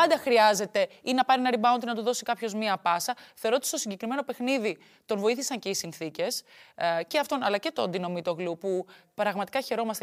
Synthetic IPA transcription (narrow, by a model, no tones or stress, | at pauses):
pɐnd̪ɐxɾiɐze̞t̪e̞inɐpɐɾienɐɾibɐont̪inɐt̪uðo̞sikɐpço̞zmiɐpɐsɐθeoɾot̪i̥st̪o̞siɲɟe̞kɾime̞nope̞xniði | t̪o̞nvo̞iθisɐɲce̞isinθice̞sceɐft̪o̞nɐlɐce̞t̪ond̪ino̞mit̪o̞ɣlupupɾɐɣmɐt̪ikɐçe̞ɾo̞mɐst̪e